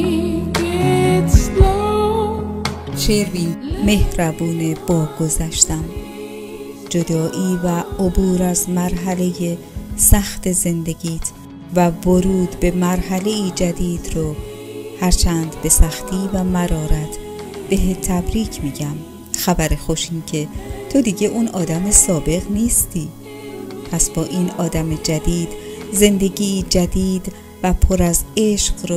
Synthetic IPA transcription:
ʃeɾviːme̞hɾæbuːneb̥ɒːɡ̥ozæʃt̪æm | d͡ʒod̪ɒːʔiːvæobuːɾæzmæɾɦæle̞je | sæxt̪eze̞nd̪e̞ɡiːt̪ʰ | vævoɾuːd̪be̞mæɾɦæle̞iːd͡ʒæd̪iːd̪ɾo | hæɾt͡ʃʰæːnd̪be̞sæxt̪ʰiːvæmæɾɒːɾæt̪ʰ | b̥e̞ɦet̪ʰæbɾiːcʰmiːɟæm | xæbæɾexo̞ʃiːncʰe̞t̪ʰo̞d̪iːɟe̞ʔunʔɒːd̪æme̞sɒːbe̞ɣniːst̪ʰiː | pʰæsb̥ɒːʔiːnɒːd̪æme̞d͡ʒæd̪iːd̪̥ze̞nd̪e̞ɟiːd͡ʒæd̪iːd̪ | væpʰoɾæze̞ʃɢɾo

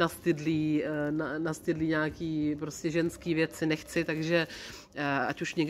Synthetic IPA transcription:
nast̪ɪdliːnanast̪ɪdliːɲaːkiːpɾoscɛʒɛnskiːvjɛt͡sɪnɛxt͡sɪt̪aɡʒɛ | a̰cuʃɲɛɡ

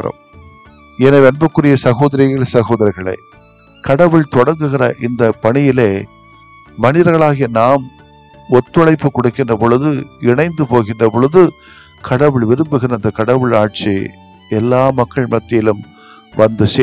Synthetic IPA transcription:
ɾɐ̰m | ɛnɐʋɛnbɐkːɯɽɪjɐsɐɣoːðɐɾɪɣɐɭsɐɣoːðɐɾɐɪɣɐɭɐ̰ɪ | kɐɽɐʋɯɭt̪ɔɽɐɾŋɡɯɣɪrɐ̰ʔɪnd̪ɐpɐɳɪjɪleː | mɐnɪɾɐɾɣɐɭaːɣɪjɐnaːm | ɔt̪ːɯɐɭɐɪpːɯkɔɽɯkːɪndrɐpɔɭɯðɯɪɳɐɪnd̪ɯpoːɣɪndrɐpɔɭɯðɯ | kʰɐɽɐʋɯɭʋɪɾɯmbɯɣɪnɐnd̪ɐkɐɽɐʋɯɭaːʈ̚t͡ʃḭ | ɛlːaːmɐkːɐɭmɐt̪ːɪjɪlɯm | ʋɐnd̪ɯse

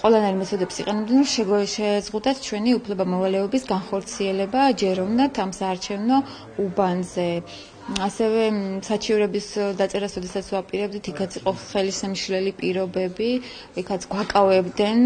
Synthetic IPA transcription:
qʼwɛlˠanaiɾmɛt̪ʰɔd̪ɛpsiqʼɛnɛbd̪ɛnɾɔʃɛʃɛzʁud̪at̪ʰt͡ʃʰwɛniupʰlɛbamɔvalɛɔbisɡanχɔɾt̪sʰiɛlɛbad͡ʒɛɾɔvnat̪ʰamsaːɾt͡ʃʰɛvnɔ | ubanzɛ | asɛvɛsat͡ʃʰivɾɛbisd̪at̪sʼɛɾasɾɔd̪ɛsat̪sʰvapʼiɾɛb̚d̪it̪ʰikʰat̪sʰiqʼɔχɛlisɛmʃlɛlipʼiɾɔbɛbi | ikʰat̪sʰɡwakʼavɛbd̪ɛn

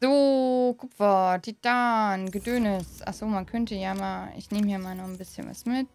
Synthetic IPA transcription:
z̥oːkʰʊpfɐdid̥aːnɡədøːnɪsʔa̰χsoːmankʰœntəjamaːɪ̰çneːmjaːmaːlnɔχn̩bɪsçə̰nva̰smɪt

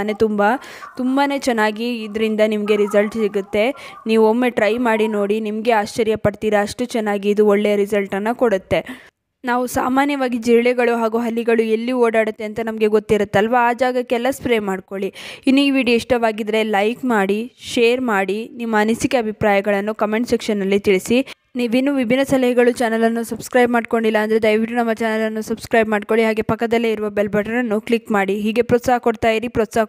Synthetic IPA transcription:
ne̞t̪umbɐ | t̪umbane̞ːt͡ʃɛnːaːɡiːd̪ɐɾind̪ɐnimɐɡe̞ɾizɐlʈsiɡut̪ːe̞niːʋuomːe̞ʈɾɐjmaːɽino̞ːɽinimɐɡe̞aːʃt͡ʃɐɾjɐpɐɽt̪iːɾɐɐʂʈut͡ʃɛnːaːɡiːd̪uoɭːejɐɾizɐlʈɐnːɐkoɽut̪ːe̞ | naːʋusaːmaːnjɐʋaːɡid͡ʒiɾɭɛɡɐɭuɦaːɡuːɦɐlːiɡɐɭuelːioːɽaːɽut̪ːe̞ɐnt̪ɐnɐmɐɡe̞ɡo̞t̪ːiɾut̪ːeɐlʋaaːd͡ʒaːɡɐkːeɛlːɐspɾeːmaːɖko̞ɭiinːuiːʋiːɖijoiʂʈɐʋaːɡid̪ɾe̞lɐjkmaːɽiʃeːɐɾmaːɽinimːɐːnisikeɐbʱipɾaːjɐɡɐɭɐnːukɐmeɳʈsikʂɐnːɐlːit̪iɭisi | niːʋinːuʋibʱinːɐsɐlɐɦɐɡɐɭut͡ʃaːnɐlɐnːusɐbskɾɐjbmaːɖko̞ɳɖilːɐːnd̪ɾed̪ɐjʋiʈːunɐmːɐt͡ʃaːnɐlɐnːusɐbskɾɐjbmaːɖko̞ɭiɦaːɡe̞pɐkːɐd̪ɐlːeiɾuʋɐbelbɐʈɐɾɐnːukɭikmaːɽiɦiːɡe̞pɾoːt̪saɦɐkoɽt̪aːjiɾipɾot̪saːɦ

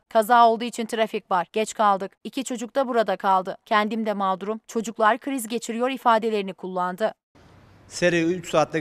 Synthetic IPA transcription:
kʰazaːo̞lˠd̪uːit͡ʃʰint̪ʰɾafikvaɾ̥ɟ̥ɛt͡ʃkʰalˠd̪ɯkicʰit͡ʃʰo̞d͡ʒuk̚t̪ʰabuɾad̪akʰalˠd̪ɯcʰɛnd̪imd̪ɛmald̪ɾumt͡ʃʰo̞d͡ʒuklˠaɾkʰɯɾizɟe̞t͡ʃʰiɾijo̞ɾifaːd̪e̞lʲe̞ɾinikʰulˠːand̪ɯ | seɾejyt͡ʃsaːt̪lʲˠa

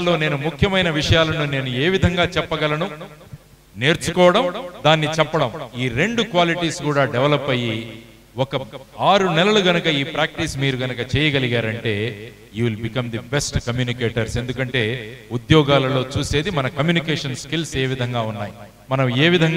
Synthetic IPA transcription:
lːo̞ːne̞ːnumukʰjɐmɐjnɐʋiʂɐjaːlɐnune̞ːnue̞ːʋid̪ʱɐŋɡaːt͡ʃɛpːɐɡɐlɐnu | ne̞ːɾt͡ʃukɔːʋɐɽɐmd̪aːnːit͡ʃɛpːɐɽɐmiːɾe̞ɳɖukʋaːliʈiːskuːɽaːɖɛʋlɐpːɐji | wɔkɐaːɾunɛlɐluɡɐnɐkɐiːpɾaːk̚ʈismiːɾuɡɐnɐkɐt͡ʃɛːjɐɡɐliɡaːɾɐɳʈe̞ː | juːlbikɐmd̪ibesʈkɐmjuːnikeːʈɐɾse̞nd̪ukɐɳʈe̞ːud̪jɔːɡaːlɐlo̞ːt͡ʃuːse̞ːd̪imɐnɐkɐmjuːnikeːʂɐnskilse̞ːʋid̪ʱɐŋɡaːunːaːji | mɐnɐmeːʋid̪ʱɐŋ

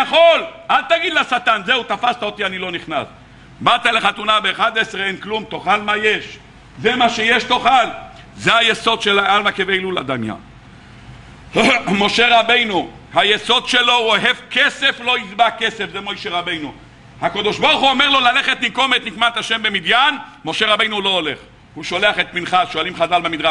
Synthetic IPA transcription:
jaχo̞lad̪̚t̪aɡid̪lasat̪anzeut̪afast̪aot̪ianilo̞niχna̰s | bat̪aleχat̪unabeːχad̪eseenklumt̪o̞χalmajeʃ | zemaʃejeʃt̪o̞χal | zehajeso̞d̪ʃelaalmakevejlulad̪amja̰ | mo̞ʃe̞ʁabe̞jnu | hajeso̞d̪ʃelo̞oɦevkese̞flo̞izbakesefzemojʃeʁabe̞jnu | hakod̪oʃboʁχuomeʁlo̞laleχet̪niko̞met̪nikmat̪haʃembemid̪janmo̞ʃeʁabe̞jnulo̞oleχ | huʃo̞leaχet̪minχaʃoalimχazalbemid̪ʁaʃ

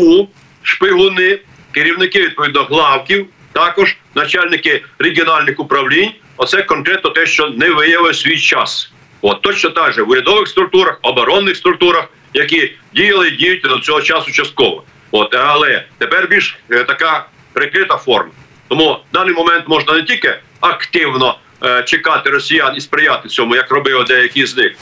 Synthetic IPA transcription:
u | ʃpɪɦʊnɪ | kɪɾʲiwnɪkɪʋʲid̪̚pɔʋʲid̪nɔɦlˠɑwkʲiw | t̪ɑkɔʒnɐt͡ʃalʲnɪkɪɾeɡʲiɔnɑlʲnɪxʊpɾɐwlʲinʲ | ɔt̪sɛkɔnkɾɛt̪nɔt̪ɛʃt͡ʃɔnɛʋɪjɐʋɪsʲʋʲijt͡ʃɑs | ot̪ːɔt͡ʃnɔt̪ɑʒɛwʊɾʲɐd̪ɔʋɪxst̪ɾʊk̚t̪uɾɐxɔbɔɾɔnːɪxst̪ɾʊk̚t̪uɾɐx | jɐk̬idʲijɐlˠɪidʲijʊtʲd̪ɔt͡sʲɔɦɔt͡ʃɑsʊt͡ʃɐst̪̚kɔʋɔ | ɔt̪ɐlˠɛt̪epɛrbʲilʲʃt̪ɐkɑ | pɾɪkɾɪt̪ɐfɔrmɐ | t̪ɔmud̪ɑnɪjmɔmɛnt̪mɔʒnɐnetʲilʲkɪ | ɐkt̪ɪwnɔ | t͡ʃekɑt̪ɪɾɔsʲijɑnispɾɪjɑt̪ɪt͡sʲɔmʊjɐkrɔbɪʋd̪ɛjɐkʲijznɪx

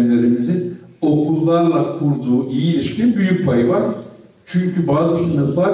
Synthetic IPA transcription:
lʲe̞ɾimizino̞kʰulˠːaɾlˠakʰuɾd̪uːʔijilʲiʃcʰinbyjyc̚pʰajɯvaɾ | t͡ʃʰyɲcʰybaːzɯsɯnɯflˠaɾ

